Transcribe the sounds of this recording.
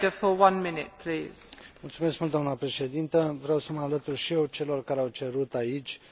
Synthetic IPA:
əfəwʌ̃nmɪnɪ̰t̚pʰl̥iːz̥mult̪sume̞skmult̪d̪anəpɾe̞ʃe̞d̪int̪əvɾeeawsəməalət̪urʃijewt͡ʃe̞lo̞rkaɾeawt͡ʃe̞ɾut̪ait͡ʃʲ

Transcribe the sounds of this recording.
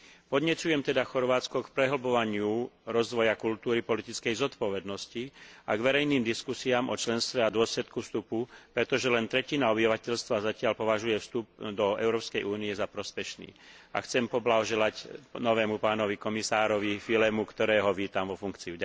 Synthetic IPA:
pɔd̪ɲɛt͡sujɛmt̪ɛd̪axɔɾʋaːt͡skɔkpɾɛɦlbɔʋaɲɪuɾɔzʋɔjakult̪uːɾipɔlit̪it͡skɛjzɔt̪pɔʋɛd̪nɔsciaɡʋɛɾɛjniːmd̪iskusiaːmʔɔ̰t͡ʃlɛnst̪ʋɛad̪ʊɔslɛt̪kufst̪upupɾɛt̪ɔʒɛlɛnt̪ɾɛcinaɔbiʋacɛʎst̪ʋazacɪalpɔʋaʒujɛfst̪up̚d̪ɔɛ̰ʊɾɔːpskɛjʔuːniɛzapɾɔspɛʃnḭː | a̰xt͡sɛmpɔblaɦɔʒɛlacnɔʋɛːmupaːnɔʋikɔmisaːɾɔʋifilɛmukt̪ɔɾɛːɦɔʋiːt̪amʋɔfuŋkt͡siuɟa

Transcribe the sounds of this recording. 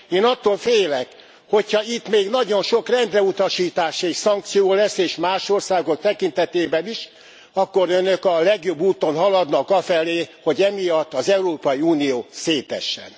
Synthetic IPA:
eːnɒt̪ːoːlfeːlɛk | ho̞chɒit̪meːɡnɒɟo̞nʃo̞krɛnd̪rɛut̪ɒʃiːt̪aːʃɛcsɒŋk̚t̪sijoːlɛsːeːʃmaːʃo̞rsaːɡo̞k̚t̪ɛkint̪ɛt̪eːbɛniʃ | ɒkːo̞ɾønøkɒlɛɡjo̞bːuːt̪o̞nɦɒlɒd̪nɒkɒfɛleːho̞ɟɛmijɒt̪ːɒzɛuɾoːpɒjiuːnijoːseːt̪ɛ̰ʃːɛ̰n

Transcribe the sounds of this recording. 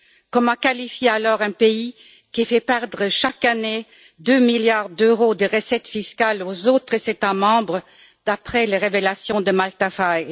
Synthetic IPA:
kɔmãkalifjealɔʁɛ̃pei | kʲifɛpɛʁd̪ʁəʃakane | d̪ømiljaʁd̪øʁod̪əʁəsɛt̪fiskalozot̪χəzet̪amɑ̃bʁə | d̪̥apχɛleʁevelasjɔ̃d̪əmalt̪afaj

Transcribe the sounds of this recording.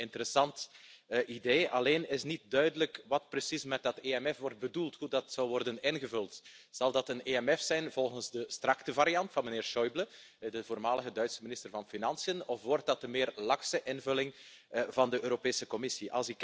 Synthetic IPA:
ɪntəɾəsɑntʔideːɑleːnɪsnit̚dœɥdələkʋɑt̚prəsismɛt̚dɑteɛmɛfʋɔrt̚bədulˠtɦudɑtsawʋɔrdənɪnɣəvɵlˠtz̥ɑlˠdɑtəneɛmɛfsɛjnvɔlˠɣənzdəstrɑktəvaɾijɑntfɑnməneːrʃɔjblə | dəvoːrmaːləɣədœɥtsəminɪstərvɑnfinɑnsijənɔfʋɔrt̚dɑt̚dəmɪːrlɑksəʔɪnvɵlɪŋ | vɑndəʔøːɾopeːsəkɔmɪsiʔɑ̰lˠsɪk

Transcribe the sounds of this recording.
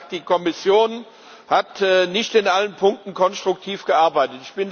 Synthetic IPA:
d̥iːkʰɔmɪsjoːn | hatːnɪçtɪnʔalənpʰʊŋk̚tn̩kʰɔnstʁ̥ʊk̚tʰiːfɡ̥əʔaɐbaɪtətɪçb̥ɪn

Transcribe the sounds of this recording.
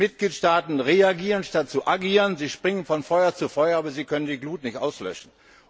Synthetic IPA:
ɪt̚ɡ̥liːtʃtaːtn̩ʁeaɡiːʁənʃtat̚t͡suʔaɡiːʁənziːʃpʁ̥ɪŋənfɔnfɔʏɐt͡sufɔʏɐaːbɐziːkʰœnəndiːɡluːtnɪçtʔaʊslœ̰ʃn̩

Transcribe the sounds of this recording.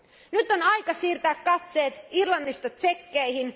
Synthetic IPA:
nyt̪onɑjkɑsiːrt̪æːkkːɑt̪se̞ːt̪irlɑnːist̪ɑt̪sekːeihin

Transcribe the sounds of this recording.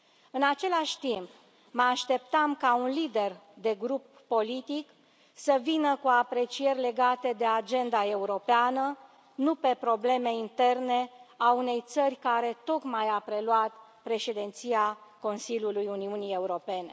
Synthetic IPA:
ɨnat͡ʃe̞laʃʲt̪imp | məaʃt̪e̞pt̪amkaunlid̪e̞rd̪e̞ɡɾupːo̞lit̪ik | səvinəkuapɾe̞t͡ʃije̞rʲle̞ɡat̪e̞d̪e̞ad͡ʒe̞nd̪ae̞uɾo̞peanə | nupe̞pɾo̞ble̞me̞int̪e̞rne̞aune̞jt̪sərʲkaɾe̞t̪o̞kmajapɾe̞lwat̪pɾe̞ʃed̪ent̪siako̞nsilʲjulujuniunie̞uɾo̞pe̞ne̞

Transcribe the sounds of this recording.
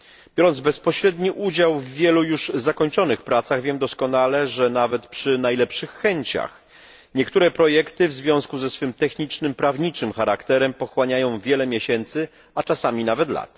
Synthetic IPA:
b̥ʲjɔɾɔnzbɛspɔɕɾɛd̪ɲiʔud͡ʑawvːʲjɛlujuʐzakɔɲt͡ʂɔnɘxpɾat̪saɣvʲjɛmd̪ɔskɔnalɛʐɛnavɛt̪pʂɘnajlɛpʂɘxːɛɲt͡ɕa̰x | ɲɛkt̪uɾɛpɾɔjɛkt̪ɘvzvʲjɔ̃skuzɛsfɘmt̪ɛxɲit͡ʂnɘmpɾavɲit͡ʂɘmxaɾakt̪ɛɾɛmpɔxwaɲajɔ̃w̃vʲjɛlɛmʲjɛɕɛnt̪sɘ | at͡ʂasamʲinavɛt̪la̰t̪

